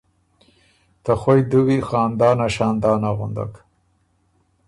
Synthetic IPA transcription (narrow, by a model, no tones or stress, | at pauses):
t̪axojd̪uwixɑːnd̪ɑːnaʃɑːnd̪ɑːnaɣṵnd̪a̰k